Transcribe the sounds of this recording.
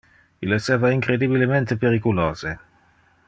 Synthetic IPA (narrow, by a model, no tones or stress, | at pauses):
ilːesɛːvaiŋkɾed̪ibilement̪epeɾikuloːz̥e